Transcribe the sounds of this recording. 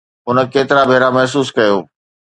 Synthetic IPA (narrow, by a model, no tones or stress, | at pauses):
ʊnə̆keːt̪ɪɾabʱeːɾamɛɦsuːskɐjoː